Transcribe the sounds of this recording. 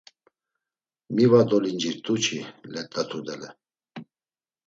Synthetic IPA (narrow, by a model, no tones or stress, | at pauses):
mivad̪ɔlind͡ʒiɾt̪ʼut͡ʃʰilɛt̪ʼat̪ʰud̪ɛlɛ